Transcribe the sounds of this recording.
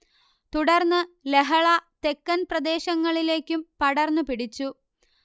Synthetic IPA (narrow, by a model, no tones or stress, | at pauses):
t̪uɽɐrnːɨle̞ɦɐɭɐt̪e̞kːɐnprɐd̪e̞ːɕɐŋːɐɭile̞ːkʲːumpɐɽɐrnːɨpiɽit͡ɕːu